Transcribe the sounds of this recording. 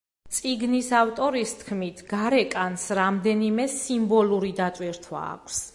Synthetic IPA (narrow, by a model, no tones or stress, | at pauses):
t̪sʼiɡnisaft̪ʼɔɾist̪ʰkʰmit̪ʰɡ̥aɾɛkʼansɾamd̪ɛnimɛsimbɔluɾid̪at̪ʼwiɾt̪ʰwa̰ːkʷʰs